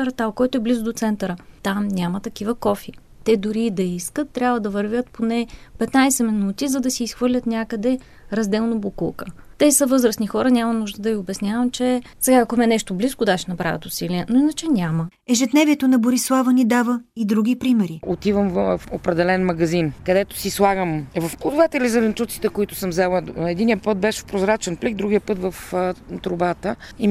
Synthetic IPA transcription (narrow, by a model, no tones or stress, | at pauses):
ɾɐt̪alˠkɔjt̪oɛblizʊd̪ot̪sɛnt̪əɾət̪amnʲamət̪ɐk̟ivəkɔfi | t̪ɛd̪ʊɾid̪ɐiskət̪ːɾʲabvəd̪ɐvɐɾvʲət̪ponɛpɛt̪najsɛmɛnut̪izɐd̪ɐsiːsxvɤɾlʲət̪nʲakəd̪ɛ | ɾɐzd̪ɛlˠnobokṵlˠkət̪ɛsəvɤzɾəsnixɔɾənʲamɐnuʒd̪əd̪ɐvʲiʊbɛsnʲavəmt͡ʃɛ | sɛɡaɐkomɛnɛʃt̪obliskʊd̪aʃɛnɐbɾa̰vt̪ʊsiliɛnoinət͡ʃɛnʲamə | ɛʒɛd̪nɛvʲiɛt̪onɐboɾislˠavənid̪avəid̪ɾuɡ̟ipɾimɛɾiot̪ivəmvfopɾɛd̪ɛlɛnmɐɡɐzinkɐd̪ɛt̪o̥sislˠaɡəmvɐfpud̪ʊvat̪ɛlizɐvɛnt͡ʃ̪ut̪si̥t̪ɛkoit̪ʊ̥səmzɛlˠəɛd̪inijəpɤt̪̚bɛʃɛ̥fpɾozɾat͡ʃɛnpliɡ̚d̪ɾuɡʲijəpɤt̪vɐft̪ɾʊbat̪əi